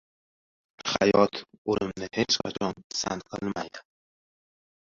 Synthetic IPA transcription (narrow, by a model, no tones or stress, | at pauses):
χa̰jɒt̪ʰolɪmnɪhet͡ʃqʰa̰t͡ʃʰɒnsa̰nt̪̚qʰɨlˠmajd̪ɪ